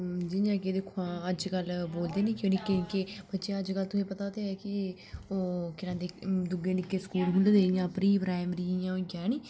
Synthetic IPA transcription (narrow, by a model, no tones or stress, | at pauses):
d͡ʒɪjãːked̪ekʰːoãːəd͡ʒkəlboːld̪eːnĩːkõːniːkɪkeːbətːʃeːəd͡ʒkəlt̪ʊsẽːpət̪aːot̪eːɛːkɪ | oːkɪnãːd̪eːd̪ʊɡeːnɪkːeːskuːlɦʊld̪eːɪjãːpɾiːpɾaːɪmɾiːjãːõɡɛːniː